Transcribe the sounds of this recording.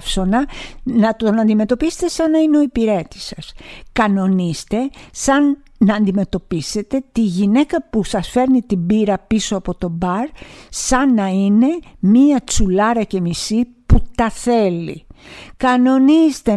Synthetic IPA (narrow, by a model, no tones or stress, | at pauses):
fso̞nɐnɐt̪o̞nɐnd̪ime̞t̪o̞pise̥t̪e̞sɐnɐineoipiɾe̞t̪i̥sɐskɐno̞nist̪e̞sɐnː | ɐːnd̪ime̞t̪o̞pise̞t̪e̞t̪iʝine̞kɐpusɐsfe̞ɾnit̪ibiɾɐpiso̞ɐpo̞t̪o̞bɐɾsɐnɐine̞miɐt͡sulɐɾɐce̞misi | put̪ɐθe̞lḭkɐno̞nist̪e̞